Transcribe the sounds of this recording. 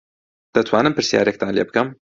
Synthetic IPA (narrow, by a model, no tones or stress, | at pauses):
d̪̥ɐt̪ʰwaːnɨmpɨɾsija̰ːɾek̚t̪ʰaːnleːbɨkɐm